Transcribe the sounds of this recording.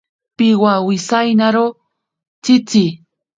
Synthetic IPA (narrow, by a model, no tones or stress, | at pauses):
pɪwawɪsajnaɾo | t͡sɪt͡si